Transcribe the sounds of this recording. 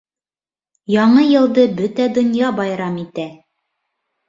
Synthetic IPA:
jɑɴɤjɤ̆lˠd̪ɤbɵt̪æd̪ŏnjɑbɑjɾɑmit̪æ

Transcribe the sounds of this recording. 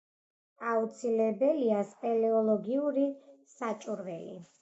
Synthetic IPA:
aut̪sʰilɛbɛliaspʼɛlɛɔlˠɔɡiuɾisat͡ʃʼuɾvɛlḭ

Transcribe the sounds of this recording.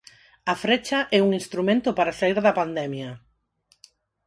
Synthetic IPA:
ɐfɾet͡ʃɐʔɛuŋinst̪ɾumẽnt̪ʊpaɾasaiɾðɐpand̪ɛmjɐ

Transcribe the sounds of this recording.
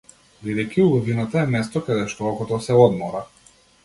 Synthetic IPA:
bid̪ɛjkʲiulˠɔvinat̪aɛmɛst̪ɔkad̪ɛʃt̪ɔɔkɔt̪ɔsɛɔd̪mɔɾa

